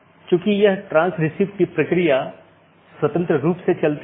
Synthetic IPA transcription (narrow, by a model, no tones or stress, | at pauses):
kjõːkijɐɦʈɾãːnsɾɪsiːʋkipɾɐkɾija | swɐt̪ə̃nt̪ɾəɾuːpset͡ʃɐlt̪i